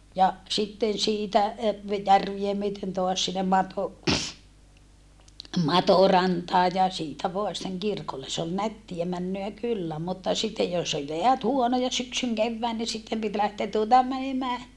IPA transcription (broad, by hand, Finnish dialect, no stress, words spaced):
jɑ sitːen siːtæ e ʋe jærʋie myøten toɑs sinːem mɑto mɑtorɑntɑːj jɑ siːtæ ʋoɑ sĭtːeŋ kirkolːe s ol nætːiæ mænːøæ kylːæ mutːɑ sitːej jos ol jeæt huonojɑ syksyŋ keʋːæːn ni sitːem pit læhteæ tuotɑ mænemæː